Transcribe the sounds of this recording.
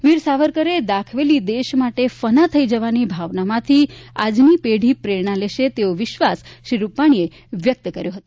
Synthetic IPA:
ʋiɾsaʋəɾkəɾed̪akʰʋelid̪eʃmaʈefənat̪ʰəid͡ʒəʋanibʱaʋnamãt̪ʰiad͡ʒnipeɽ̤ipɾeɳaleʃet̪eoʋɪʃʋasʃɾiɾupaɽ̃ie | ʋjək̚t̪kəɾjoɦət̪o

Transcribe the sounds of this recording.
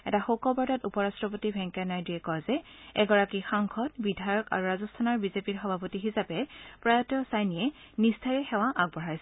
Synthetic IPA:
ɛ̰taxokɔbɔɹtatupɔɹastɹɔpotibʱɛŋkɛnajdiɛkɔjzɛ | ɛ̰ɡɔɹakixaŋxʰɔtbidʱajɔka̰ɹuɹazɔstʰanɔɹbizepiɹxɔbʱapotixisapɛpɹajɔtjɔsajnijɛ | nistʰaɹɛxɛw̃aʔaɡ̚bɔɹajsɛ

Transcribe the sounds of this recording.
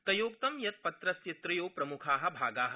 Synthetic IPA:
t̪ɐjoːk̚t̪ɐmjɐt̪̚pɐt̪ɾɐsjɐt̪ɾɐjoːpɾɐmukʰaːɦɐ̆bʱaːɡaːɦɐ̆

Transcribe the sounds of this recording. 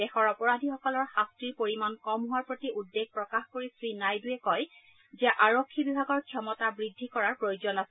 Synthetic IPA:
dɛxɔɹɔpɔɹadʱixɔkɔlɔɹxastɹiɹpoɹimankɔmɦuwaɹpɹotiʔudːeɡ̚ʱpɹɔkaxkoɹisɹinajduɛkɔj | zɛʔaɹokʰːibibʱaɡɔɹkʰɔmɔtabɹidʱːikɔɹaɹpɹojozɔnasɛ

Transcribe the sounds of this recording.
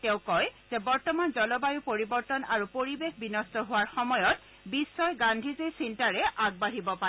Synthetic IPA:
tɛ̃ʊ̃kɔjz̥ɛbɔɹtɔmanzɔlɔbajupoɹibɔɹtɔnaɹupoɹibexbinɔstɔɦʊwaɹxɔmɔjɔt̚ | bisːɔjɡandʱizesintaɹɛʔaɡ̚baɦibɔpa

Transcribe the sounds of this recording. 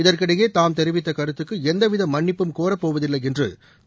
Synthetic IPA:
ɪðɐrkɪɽɐjeːt̪aːmt̪ɛɾɪʋɪt̪ːɐkɐɾɯt̪ːɯkːɯɛnd̪ɐʋɪðɐmːɐɳːɪpːɯmkoːɾɐpːoːʋɐðɪlːɐjɛndrɯ̰

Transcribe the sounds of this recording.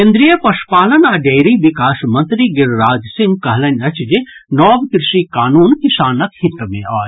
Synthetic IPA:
kẽnd̪ɾijəpɐʃpaːlɐnaːɖeːɾiʋikaːsmɐ̃nt̪ɾiɡɪɾɾaːd͡ʒsiŋɡ̚kɐɦlɐnʲɐt͡ʃʰd͡ʒenɔːbkɾɪʃikaːnuːnkisaːnɐkhɪt̪ːmẽaːj

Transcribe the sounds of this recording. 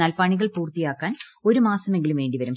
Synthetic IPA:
aːlpɐɳiɣɐɭpuːrt̪ːijaːkːaːno̞ɾumaːsɐme̞ŋɡilumʋe̞ːɳɖiʋɐɾum

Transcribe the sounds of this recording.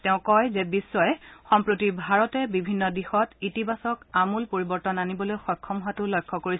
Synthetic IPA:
tɛʊ̃kɔjzɛbisːɔjɛxɔmpɹotibʱaɹɔtɛbibʱinːɔdixɔtitibasɔkamulpoɹibɔɹtɔnanibɔlojxɔkʰːɔmɦatʊlojkʰːɔkoɹis

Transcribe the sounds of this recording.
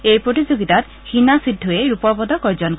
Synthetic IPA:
ejpɾot̪id͡ʒoɡit̪at̪ | hinasid̪ʱːueɾupɔbɔd̪ɔkɔɾd͡ʒɔnk

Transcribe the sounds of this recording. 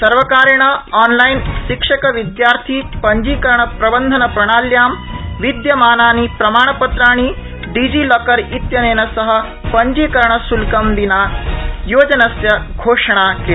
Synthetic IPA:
sɐɾʋɐkaːɾɳ̃ɐaːnlajnʃikʂɐkɐʋid̪jaːɾt̪ʰiːpɐɲd͡ʒiːkɐɾɳɐpɾɐbɐnd̪ʱɐnɐpɾɐɽ̃aːljaːmʋid̪jɐmaːnaːnipɾɐmaːɳ̃ɐpɐt̪ɾaːɽ̃i | ɖiːd͡ʒiːlɐkɐɾit̪jɐneːnɐsɐɦɐ̆ | pɐɲd͡ʒiːkɐɾɳɐsulkɐmbinajoːd͡ʒɐnɐsjɐɡʱoːʂɐɽ̃akeː

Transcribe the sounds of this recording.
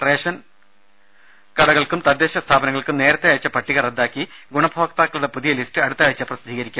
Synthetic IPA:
re̞ːʂɐn | kɐɽɐɣɐɭkumt̪ɐd̪ːeːɕɐst̪ʰaːbɐnɐŋːɐɭkumne̞ːɾɐt̪ːe̞aːjit͡ɕːɐpɐʈːiɣɐred̪ːaːkːiɡuɳɐbʱokt̪aːkːɐɭuɽepuðijɐlistɨɐɽut̪ːaːjit͡ɕːɐprɐsd̪ʱiːɣɐɾikʲːum

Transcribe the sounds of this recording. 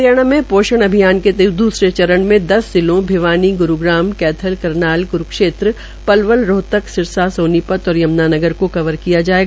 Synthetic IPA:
ɾjaːɽ̃amẽpoːʃəɽ̃ɐbʱijaːnket̪d̪uːsɾet͡ʃɐɾəɽ̃mẽd̪ɐsd̪ɪlõbʱɪʋaːniɡʊɾuɡɾaːmkɛːt̪ʰəlkɐɾnaːlɡʊɾkʃeːt̪ɾə | pɐlʋəlɾoːt̪əksɪɾsasõːnipət̪ɔːɾjɐmnaːnɐɡəɾkokɐʋəɾkijad͡ʒaːeːɡ

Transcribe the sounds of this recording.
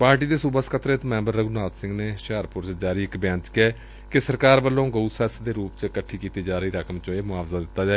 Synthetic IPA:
paːɾʈiːd̪eːsuːbəskʰət̪ɾet̪mɛ̃ːmbəɾːəɡunaːd̪sɪ̃ŋɡneːʃaːəɾpʊɾsd͡ʒaːɾiːɪkbjãːnt͡ʃkɛː | kɪsəɾkaːɾbəlːõːɡəusɛːsd̪eːɾuːpt͡ʃkəʈʰːiːkiːt̪iːd͡ʒaːɾəiːɾəkəmt͡ʃõeːmʊaːfzaːd̪ɪt̪ːaːd͡ʒaːe

